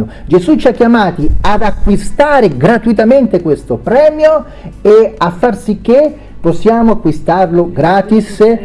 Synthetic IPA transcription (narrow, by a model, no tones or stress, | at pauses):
od͡ʒezut͡ʃiakːjamaːt̪iad̪akːwist̪aːɾeɡɾat̪uit̪ament̪ekwest̪opɾɛːmjo | eafːarsik̟ːe | pːɔsːjaːmoakːwist̪arloɡɾaːt̪is